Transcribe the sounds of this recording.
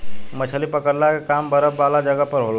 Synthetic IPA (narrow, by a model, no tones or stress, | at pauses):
mət͡ʃʰəlipəkəɾlakekambəɾəpbalad͡ʒəɡəpəɾɦola